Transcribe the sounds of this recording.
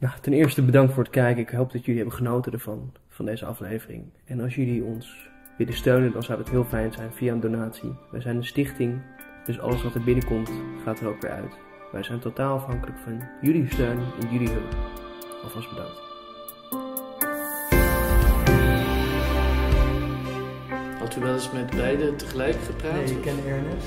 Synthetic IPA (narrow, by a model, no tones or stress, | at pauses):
jatɛnɪːɹstəbədɑŋktfʊːɹətkɛjkəɪkɦowp̚d̥ɑtjɵliɦɛbənχənowtədəɹv̥ɑn | v̥ɑndejzəɑ̰flejvərɪ̰ŋ | ɛnɑlˠsjɵliɔns | ʋɪdəstøɥnəndɑnzɑwətɦɪːlˠfɛjnzɛjnv̥iaəndonaːtsḭʋɛ̰jzɛjnənstɪχtɪŋ | d̥ɵsɑ̰ləsʋɑtəɹbɪnəkɔmtχaːtərowkʋɪ̰ɹʔœ̰ɥt | ʋʔɛ̰jzɛjntotaːlˠɑfɦɑŋkələkfɑnjʏlistøɥnɪ̰njɵliɦɵləp | ɔfɑzbədɑ̰ŋt | a | hɑtyʋɛlˠɪsmɛtbɛjdətəχəlɛjkχəpraːejəkɛnɛɹnə